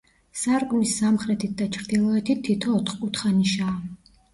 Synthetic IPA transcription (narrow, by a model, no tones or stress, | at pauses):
saɾkʼmisːamχɾɛt̪ʰit̪̚d̪at͡ʃʰɾd̪ilˠɔɛt̪ʰit̪ʰːit̪ʰɔːt̪ʰχkʼut̪ʰχaniʃaː